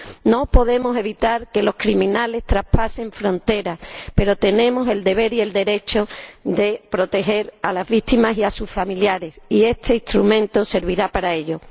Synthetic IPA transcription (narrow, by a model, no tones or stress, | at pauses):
no̞po̞ðe̞mo̞se̞β̞it̪aɾke̞lo̞skɾimĩnale̞st̪ɾahpasẽ̞ɱfɾo̞nt̪e̞ɾaspe̞ɾo̞t̪e̞nẽ̞mo̞se̞ld̪e̞β̞e̞ɾie̞ld̪e̞ɾe̞t͡ʃo̞ðe̞pɾo̞t̪e̞xe̞ɾalazβit̪imasiasusfamiljaɾe̞sie̞st̪ʰe̞it̪ɾumẽ̞nt̪o̞se̞ɾβ̞iɾapaɾae̞ʎo̞